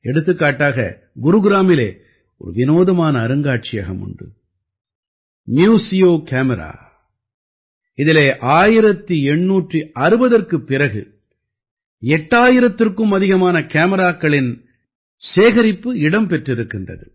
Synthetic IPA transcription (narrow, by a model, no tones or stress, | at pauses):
ɛɽɯt̪ːɯkːaːʈːaːɣɐ̰ | ɡʊɾuɡɪɾaːmɪleː | ɔ̰ɾɯ̰ʋɪnoːðɐmaːnɐːɾɯŋɡaːʈ̚t͡ʃɪjɐɣɐ̰mʊ̰ɳɖɯ̰ | mjuːsɪjoːkaːmɛɾa̰ː | ɪðɪleːʔaːjɪɾɐt̪ːiɛɳːuːʈriɐɾɯbɐðɐrkɯpːɪɾɐɣɯ̰ | ɛʈːaːjɪɾɐt̪ːɪrkɯmɐðɪɣɐmaːnɐkaːmɐɾaːkːɐɭɪn | seːɣɐɾɪpːɯɪɽɐmpɛʈrɪɾɯkːɪndrɐ̰ðɯ̰